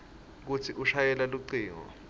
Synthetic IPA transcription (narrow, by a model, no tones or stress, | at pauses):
k̬utʰiʔuʃajɛlaluǀiːŋɔ̰